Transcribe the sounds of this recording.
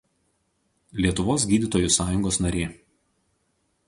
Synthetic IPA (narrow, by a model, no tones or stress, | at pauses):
lʲiɛt̪ʊʋoːs̬ɡʲiːd̪ʲɪt̪oːjʊsɑːjʊŋɡoːsnɐɾʲeː